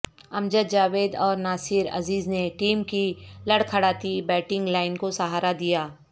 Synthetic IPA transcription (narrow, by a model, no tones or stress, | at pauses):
ɐmd͡ʒəd̪d͡ʒaːʋeːd̪ɔːɾnaːsɪɾɐ̰ziːzneʈiːmkilɐɽkʰɐɽaːt̪ibɛːʈɪ̃ŋɡlaːɪnkosɐɦaːɾad̪ijaː